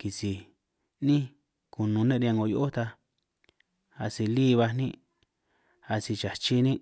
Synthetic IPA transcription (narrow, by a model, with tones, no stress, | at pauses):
ki˨si˨ | nĩ˦ | ku˨nũ˧nẽ˦ɾã˧ŋɡo˧˨jo˦ʔo˦t̪a˧ | a˧si˧liː˦˧βa˧nĩ˦ | a˧si˧t͡ʃa˨t͡ʃi˧nĩ˦